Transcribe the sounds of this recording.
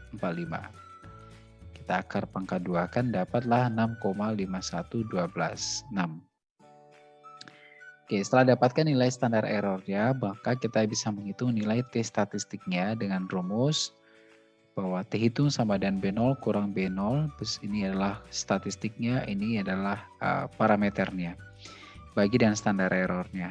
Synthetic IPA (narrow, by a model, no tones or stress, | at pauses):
əmpat̪̚lima̰ | ki̥t̪aːkarpəŋkaduakandapat̪̚lahənamkomalimasat̪uduabəlasnam | kesət̪əlahdapat̪̚kanːilajst̪andarɛɾɔrɲabahkakit̪abisaməŋit̪ʊŋnilajt̪ɛst̪at̪ist̪ɪk̚ɲadəŋanrumʊs | b̥awat̪əɦit̪ʊŋsamadanbɛnɔlkuɾaŋbɛnɔlbəsiniadalahst̪at̪ist̪ɪk̚ɲaʔiniadalahə̰paɾamet̪ərɲa | baɡidəŋansət̪andaɾʔeɾɔrɲa